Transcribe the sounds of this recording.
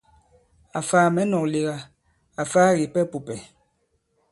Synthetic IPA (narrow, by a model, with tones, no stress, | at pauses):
a˨faː˦mɛ˨˦nɔ˨k̚le˨ɣa˦ | a˨faː˦ɣi˨pɛ˦pu˨pɛ˨